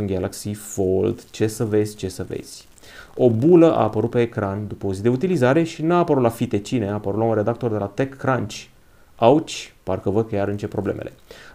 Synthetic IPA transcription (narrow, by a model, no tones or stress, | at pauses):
unɡalaksifold̪t͡ʃe̞səve̞zʲt͡ʃe̞səvḛz̥ʲ | o̞buləʔa̰ːpəɾut̪̚pe̞ːkɾand̪upəozid̪e̞ut̪ilizaɾe̞ʃinaːpəɾut̪lafit̪e̞t͡ʃineapəɾut̪launre̞d̪ak̚t̪o̞rd̪e̞lat̪ekːɾant͡ʃʲ | awt͡ʃʲparkəvəd̪̚kejaɾɨnt͡ʃe̞pɾo̞blemʔḛle̞̰